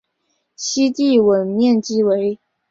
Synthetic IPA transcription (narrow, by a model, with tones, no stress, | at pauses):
ɕi˥t̪i˥˩wə˨˩nmjɛ˥˩nt͡ɕi˥we˧˥ɪ